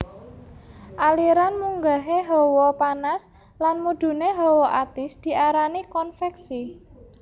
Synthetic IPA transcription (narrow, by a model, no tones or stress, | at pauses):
ʔaliɾanmuŋɡaɦeɦɔwɔpanas | lanmud̪̥ṳneɦɔwɔʔat̪ɪsd̪̥i̤ʔaɾanikɔnfɛksi